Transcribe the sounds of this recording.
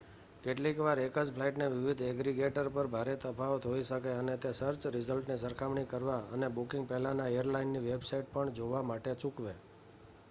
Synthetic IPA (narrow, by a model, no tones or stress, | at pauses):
keʈlikʋaɾekəd͡ʒpʰlaiʈneʋiʋid̪ʱɛɡɾiɡeʈəɾpəɾbʱaɾet̪əpʰaʋt̪ʰoiʃəkeənet̪esəɾt͡ʃɾizəlʈnisəɾkʰaʋɳikəɾʋaənebukɪŋɡ̚pɛɦlanaejəɾlainːiʋebsaiʈ̚pəɳd͡ʒoʋamaʈet͡ʃukʋe